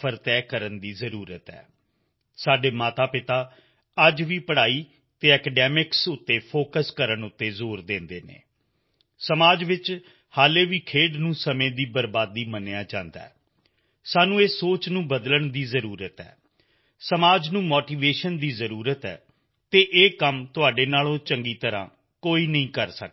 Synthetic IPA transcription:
pʰəɾt̪ɛːkəɾənd̪iːzəɾuːɾət̪ɛ̰ː | saːɖeːmaːt̪aːpɪt̪aː | əd͡ʒʋiːpəɽaːiː | t̪eːɛkɛɖɛːmɪksʊt̪ːeːpʰoːkəskəɾəɳʊt̪ːeːzoːɾd̪ẽːnd̪eːnḛː | səmaːd͡ʒʋɪt͡ʃ | haːleːʋiːkʰeːɖnũːsəmẽːd̪iːbəɾbaːd̪iːmənejaːd͡ʒã̰ːnd̪a̰ɛː | saːnũːeːsoːt͡ʃnũːbəd̪ləɳd̪iːzəɾuːɾət̪ɛ̰ː | səmaːd͡ʒnũːmoːʈiːʋeːʃənd̪iːzəɾuːɾət̪ɛ̰ː | t̪eːʔeːkəmt̪ʊaːɖeːnaːlõːt͡ʃəŋɡiːt̪əɾã̰ː | koːiːnəɦĩːkəɾsək̚

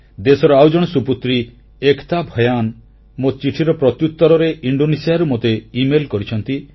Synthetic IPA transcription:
d̪esɔɾɔawd͡ʒɔɽ̃ɔsuput̪ɾi | ekʰt̪abʱɔjan | mot͡ʃiʈʰiɾɔpɾɔt̪jut̪ːɔɾɔɾeʔiɳɖonisijaɾumot̪eimelkɔɾit͡ʃʰɔnt̪i

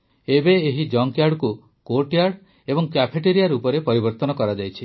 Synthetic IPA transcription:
ebeːɦid͡ʒɔŋkjaɾɖku | koʈjaɾɽ | ebɔŋkapʰeʈeɾijaɾupɔɾepɔɾibɔɾt̪ɔnɔkɔɾad͡ʒajt͡ʃʰi

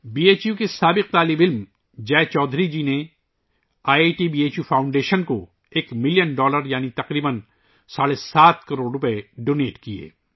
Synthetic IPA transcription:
biːeːt͡ʃjukesaːbɪq̚t̪aːlɪbɪlm | d͡ʒɛːt͡ʃɔːd̪ʱɾid͡ʒiːne | aːeʈibiːeːt͡ʃjuːpʰaːʊ̃ɳɖeːʃənko | eːkmɪljənɖɔːləɾjaːnit̪ɐqɾiːbən | saːɽesaːt̪ʰkɐɾoːɽɾʊpəeɖoːneːʈkiḛː

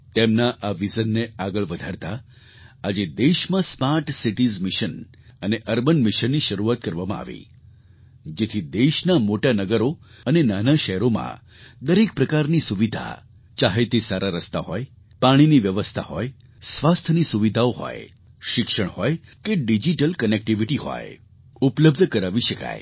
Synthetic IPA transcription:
t̪emnaʔaʋizənːeaɡəɭʋəd̪ʱaɾt̪a | ad͡ʒed̪eʃmãsmaɾʈsiʈizmɪʃən | əneʔəɾbənmɪʃənːiʃəɾuʋat̪̚kəɾʋamãa̰ʋḭ | d͡ʒet̪ʰid̪eʃnamoʈanəɡəɾoənenanaʃɛɦɾomã̰ | d̪əɾek̚pɾəkaɾnisuʋid̪ʱa̰ | t͡ʃaɦet̪esaɾaɾəst̪a̰ɦɔj | paɽ̃iniʋjəʋəst̪ʰa̰ɦɔ̰j | sʋast̪ʰənisuʋid̪ʱaoɦɔ̰j | ʃɪkʃəɳ̃hɔjkeɖid͡ʒiʈəlkənek̚ʈiʋiʈiɦɔ̰j | upləb̚d̪ʱəkəɾaʋiʃəka̰j̰

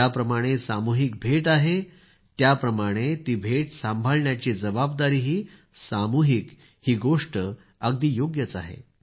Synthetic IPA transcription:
japɾəmaɽ̃esamuɦik̚bʱeʈaɦe | t̪japɾəmaɽ̃et̪iːbʱeʈsãmbʱəlɳjat͡ɕiːd͡zəbab̚d̪aɾiːɦiː | samuɦik | hiːɡoʂʈə | əɡd̪iːjoɡjət͡sa̰ɦḛ

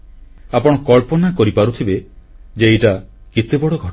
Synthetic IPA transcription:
apɔɽ̃ɔkɔɭpɔnakɔɾipaɾut̪ʰibed͡ʒeiʈaket̪ebɔɽɔɡʱɔ

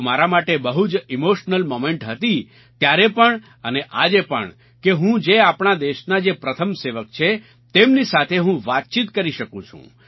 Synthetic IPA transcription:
maɾamaʈebəɦud͡ʒimoʃnəlmomeɳʈɦət̪i | t̪jaɾepəɳ | əneʔad͡ʒepə̰ɳ | keɦũd͡ʒeapɳad̪eʃnad͡ʒepɾət̪ʰəmseʋək̚t͡ʃʰe | t̪emnisat̪ʰeɦũʋat̪̚t͡ʃit̪kəɾiʃəkũt͡ʃʰṵ̃

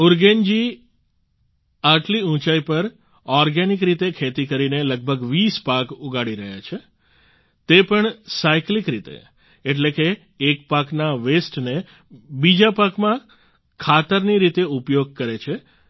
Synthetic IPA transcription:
ʊɾɡend͡ʒi | aʈliũt͡ʃaipəɾ | ɔɾɡenikɾit̪ekʰet̪ikəɾineləɡ̚bʱəɡʋispakuɡaɽiɾə̰ɦja̰t͡ʃʰe | t̪epəɳsajklikɾit̪ḛː | ʈlekeː | k̚paknaʋesʈne | bid͡ʒapakmã | kʰat̪əɾniɾit̪eupjoɡ̚kəɾet͡ʃʰe

